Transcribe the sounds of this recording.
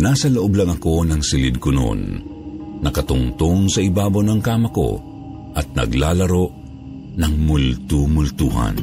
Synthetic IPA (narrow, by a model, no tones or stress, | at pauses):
naːsɐloʔoblɐŋɐko̞nɐŋsɪlɪd̪̚kʊno̰nː | ɐkɐt̪ʊŋt̪oŋsɐɪbaːbawnɐŋkaːmɐko̰ | ʔɐt̪̚nɐ̰ɡlaːlɐɾoʔ | nɐŋmʊlt̪umʊlt̪uːɦa̰n